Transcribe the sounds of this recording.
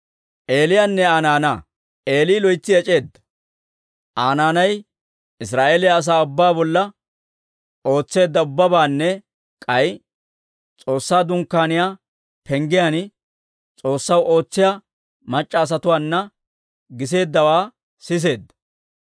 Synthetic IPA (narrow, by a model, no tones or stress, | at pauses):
ʔe̞ːlɪjaːnːɛaːnaːnaː | e̞ːliːlɔjt͡sːɪɛt͡ʃʼe̞ːd̪ːɐ̥ | ʔaːnaːnɐj | ɪs̬ɾaːʔeːlɪjaːs̬aːʊbːaːbɔlːɐ | o̞ːt͡sːe̞ːd̪ːɐʊbːɐbaːnːɛ | kʼɐj | t͡sʼo̞ːsːaːd̪ʊŋkːaːnɪjaː | pɛŋɡɪjan | t͡sʼo̞ːsːɐwo̞ːt͡sːɪjaː | mɐt͡ʃʼːɐːs̬ɐt̪ʊwaːnːɐ | ɡɪs̬e̞ːd̪ːɐwaː | sɪs̬e̞ːd̪ːɐ̥